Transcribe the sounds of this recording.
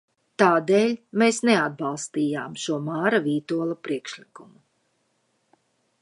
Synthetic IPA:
t̪aːd̪eːlʲmeːsnead̪̚bɑlˠst̪iːjaːmʃuɔmaːɾaviːt̪uɔlˠapɾiɛkʃlikumu

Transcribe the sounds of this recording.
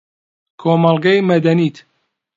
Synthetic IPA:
kʰoːmɐlˠɡɐjmɐd̪ɐniːt̪

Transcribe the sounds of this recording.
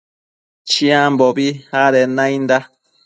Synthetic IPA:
t͡ʃiãmbobihaɾenãĩnd̪a

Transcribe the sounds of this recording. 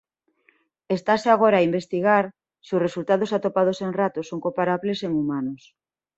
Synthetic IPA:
est̪aseaɣ̞oɾaːimbest̪iɣaɾ | siʊsresult̪aðosat̪opað̞oseŋrat̪osoŋkopaɾaβleseŋumanos

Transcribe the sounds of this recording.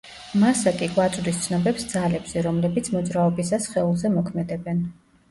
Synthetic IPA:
masakʼikʼwat̪sʼd̪ist̪sʰnɔbɛpsd̪zalɛbz̥ɛɾɔmlɛbit̪sʰmɔd̪zɾaɔbisasχɛulˠzɛmɔkʰmɛd̪ɛbɛn

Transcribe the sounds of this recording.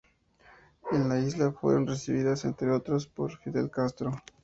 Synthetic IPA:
enlaizlafwe̞̰ɾo̞nresiβiðase̞̰nt̪ɾeo̞t̪ɾospo̞ɾfiðe̞̰lkast̪ɾo

